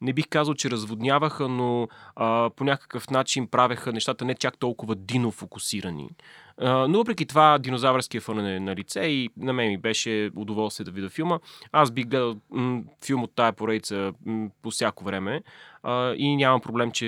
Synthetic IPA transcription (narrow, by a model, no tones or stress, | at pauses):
nɛbixkazəlˠt͡ʃɛɾəzvod̪nʲjavəxənoəponʲakə̥kəfnat͡ʃinpɾavəxənɛʃt̪at̪ənɛt͡ʃak̚t̪ɔlˠkʊvəd̪inofokusiɾənḭ | novɤpɾɛkit̪ovad̪inozavəɾskijəfɤnɛnɐlit̪sɛinɐmɛmibɛʃɛod̪ovɔlˠst̪viəd̪ɐvid̪əfilˠməasbixɡlɛd̪əlˠfilˠmot̪ːaɛpoɾɛd̪it̪səpofsʲjakovɾɛmɛəinʲamɐmpɾoblɛmt͡ʃɛ